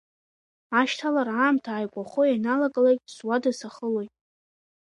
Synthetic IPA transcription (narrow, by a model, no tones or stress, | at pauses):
aʃtʰalaɾaːmtʰaːjkʷʼaχojanalaɡʼalejktʼswadasaχəlojtʼ